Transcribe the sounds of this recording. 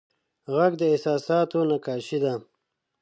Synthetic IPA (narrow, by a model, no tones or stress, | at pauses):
ɣaɡd̪əɪsɑːsɑːt̪onakɑːʃid̪a